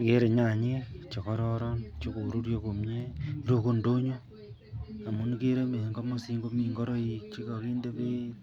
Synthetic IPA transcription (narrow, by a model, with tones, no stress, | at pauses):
ke˦ɾe˨ɲa˨ɲi˦t͡ʃɔ˨kɔ˦ɾɔ˦ɾɔ˦nt͡ʃo˦ko˨ɾu˦ɾjo˦ko˨mɲe˦i˦ɾo˦ko˦ndo˦ɲo˦ | a˨mu˦n˦ke˦ɾe˦me˨ŋɡo˦mo˦si˦ŋɡo˦mi˨ŋɡo˦ɾo˦i˦t͡ʃi˦ko˨kiː˦nde˦βe˦